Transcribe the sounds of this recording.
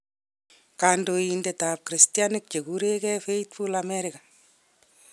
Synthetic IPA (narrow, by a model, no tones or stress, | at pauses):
kaːndojindetap̚kɾistianɪk̚t͡ʃeɡuɾekɛfeit̚pulamɛɾɪka